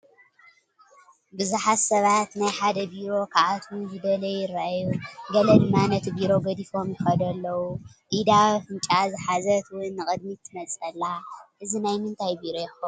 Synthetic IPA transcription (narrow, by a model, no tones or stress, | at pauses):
bɨzuħatsɐβat̪najħad̪ɐbiɾo̞kʰaʔat̪ʰuzɨbɐlɐjɪrːaʔjuɡɐlɐd̪ɨmːanɐt̪ʰibiɾo̞ɡɐd̪ifo̞mjɪxɐd̪ɐlːɐwuʔid̪afɨnt͡ʃʼazɨħazɐt̪wɨnːɨkʼɨd̪mit̪ʰːɨmɐt͡sʼɐlːaʔɨzinajmɨnt̪ʰajbiɾo̞jɛxɐ